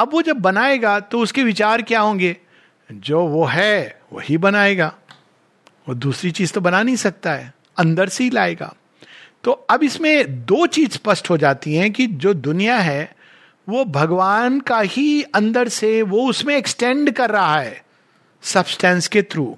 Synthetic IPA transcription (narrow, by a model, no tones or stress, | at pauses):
ɐbʋod͡ʒɐbːɐnaːeːɡat̪oʊskeʋɪt͡ʃaːɾkjaɦõːŋɡeː | d͡ʒoːʋoɦɛʋo̰hibɐnaːeːɡaː | oːd̪uːsɾit͡ʃiːzt̪obɐnanɐɦĩsɐk̚t̪aɦɛː | ɐ̃nd̪əɾseɦilaːeːɡa̰ː | t̪oːɐbɪsmẽd̪oːt͡ʃiːzpɐsʈɦod͡ʒaːt̪iɦɛ̃kid͡ʒoːd̪ʊnijaɦɛ | ʋobʱɐɡʋaːnkahiɐ̃nd̪əɾseʋoʊsmẽːksʈɛ̃ːɳɖkɐɾːɐɦaɦɛː | sɐbsʈɛ̃ːnsket̪ʰɾuː